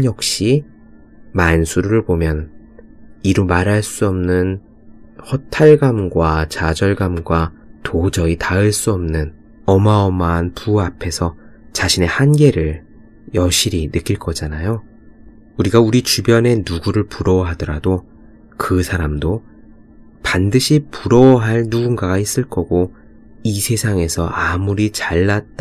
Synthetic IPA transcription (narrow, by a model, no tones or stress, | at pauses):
jʌk̚ɕ͈i | mansʰuɾuɾɯɭbomjʌn | iɾumaɾɦaɭs͈uʌmnɯn | hʌtʰaɭɡamɡwat͡ɕad͡ʑʌɭɡamɡwatʰod͡ʑʌitaɯɭs͈uʌmnɯn | ʌmaʌmaːnpuapʰe̞sʰʌ | t͡ɕaɕʰine̞hanɡe̞ɾɯɭ | jʌɕ͈ʰiɾinɯk͈iɭk͈ʌd͡ʑanajo | uɾiɡauɾit͡ɕubjʌne̞nuɡuɾɯɭpuɾʌɦadʌɾado | kɯsʰaɾamdo | pandɯɕʰipuɾʌwɦaɭnuɡunɡaɡais͈ɯɭk͈ʌɡo | isʰe̞sʰaŋe̞sʰʌamuɾit͡ɕaɭːat̚t͈a